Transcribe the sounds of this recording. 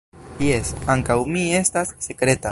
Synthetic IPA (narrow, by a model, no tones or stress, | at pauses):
jesaŋkawmie̞st̪asːekɾe̞t̪a